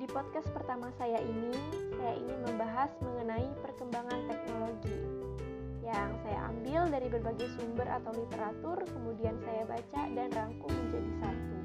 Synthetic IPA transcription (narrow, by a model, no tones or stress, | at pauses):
dipɔd̚kas̚pərt̪amasajaʔinisajaʔinɪnməmbaɦasməŋənaipərkəmbaŋant̪ɛk̚noloɡi | jaŋsaja̰ʔa̰mbɪldaɾibərbaɡajsumbəɾʔa̰t̪awlit̪eɾat̪ʊrkəmudiansajabat͡ʃadanraŋkʊŋməɲd͡ʒadisat̪u